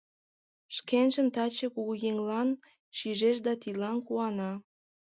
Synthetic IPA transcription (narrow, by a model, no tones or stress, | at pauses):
ʃkenʒəmt̪ɑt͡ɕĕkuɣɣeŋlɑn | ʃiʒeʃd̪ɑt̪ilɑnkuɑnɑ